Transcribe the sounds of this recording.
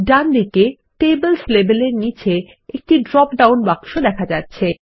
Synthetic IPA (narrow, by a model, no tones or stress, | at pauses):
ɖand̪ike | ʈebəlslebeleɾnit͡ɕe | ek̚ʈiɖɾɔpɖawnbaŋʃod̪ɛkʰad͡ʑatːɕʰe